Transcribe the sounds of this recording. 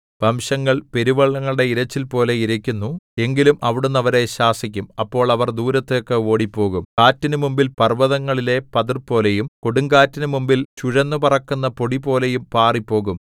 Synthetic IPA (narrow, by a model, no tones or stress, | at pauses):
bɐmɕɐŋːɐɭpe̞ɾiʋɐɭːɐŋːɐɭɨɽe̞iɾɐt͡ɕːilpo̞ːle̞iɾɐkʲːunːue̞ŋɡilumʔɐʋiɽunːɐʋɐɾe̞ɕaːsik̬ʲːumɐpːo̞ːɭɐʋɐrd̪uːɾɐt̪ːejokːeo̞ːɽipːo̞ːɣumkaːtːinɨmumbilpɐrʋɐðɐŋːɐɭile̞pɐðirpːo̞ːlejumkoɽuŋɡaːtːinɨmumbilt͡ɕuɻɐnːupɐrɐkːunːɐpo̞ɽipo̞ːle̞jumpaːripːo̞ːɣum